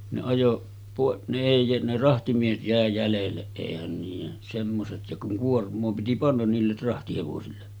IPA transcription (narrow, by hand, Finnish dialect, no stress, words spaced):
ne ɑjo pɑˑeʔ ne eˑi ne rɑhtimiehet jæˑe jælelːeʔ ʔeˑihæn niːjen semːoset jɑ kuŋ kuormˑoː piti pɑnːɑn niːlːer rɑhtiheʋosilːe